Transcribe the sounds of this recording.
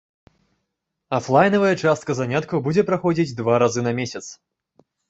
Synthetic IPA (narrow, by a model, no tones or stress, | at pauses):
aflˠajnɐvɐjɐt͡ʂast̪kɐzanʲat̪kɐwbud͡zʲɛpɾaxɔd͡zʲid͡zʲd̪vaɾazɨnɐmʲesʲɐt̪s